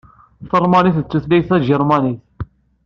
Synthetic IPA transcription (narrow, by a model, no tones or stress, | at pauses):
θəlmɑniθt͡sːuθlæjθæʒəɾˤmɑniθ